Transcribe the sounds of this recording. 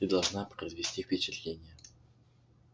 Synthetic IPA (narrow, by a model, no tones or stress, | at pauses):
id̪ɐlˠʐnapɾəzvʲɪsʲtʲifʲpʲɪt͡ɕɪt̪lʲenʲɪjə